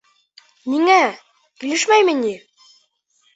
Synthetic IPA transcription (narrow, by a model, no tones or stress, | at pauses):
niŋæ | kilɘʃmæjmɘ̆ni